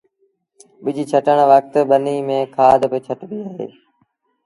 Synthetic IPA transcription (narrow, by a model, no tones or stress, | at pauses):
ɓɪd͡ʒiːt͡ʃʰəʈəɳ̃ʋək̚t̪ɓəniːmẽːkʰaːd̪ʱpɪt͡ʃʰəʈʋiːaːɦḛː